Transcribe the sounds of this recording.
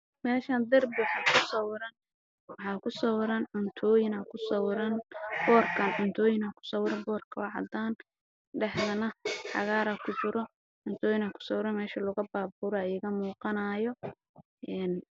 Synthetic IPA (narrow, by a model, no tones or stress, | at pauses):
mɛːʃɐnd̪ɐrbɪwħɑːkʰʊsɐwɾɐn | wɑħɑːkʰʊsɐwɾɐnʕʊnt̪ʰɔːjɪnɐkʰʊsɐwɾɐnb̥ɔːrkʰɐnʕʊnt̪ʰɔːjɪnɐkʰʊ̥sɐwɾɐbɔːrkʰɐwɑʕɑ̰d̪aːn | ɖɛħðɐnɐħɑ̰ɣaːɾɐkʰʊt͡ʃɪɾɔ | ʕʊnt̪ʰɔːjɪnɐkʰʊ̥sɔwɾɐmɛːʃɐlʊɣɐbaːbuːɾɔɐjɪɣɐmuːqɑnaːjɔ | ʔɛn